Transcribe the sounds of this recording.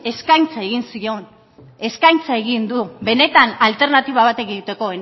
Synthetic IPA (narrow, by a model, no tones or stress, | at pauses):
e̞skajnt͡sae̞ɣ̞insio̞n | e̞skajnt͡sae̞ɣind̪ube̞ne̞t̪analt̪e̞ɾnat̪iβ̞aβ̞at̪e̞ɣiut̪e̞ko̞e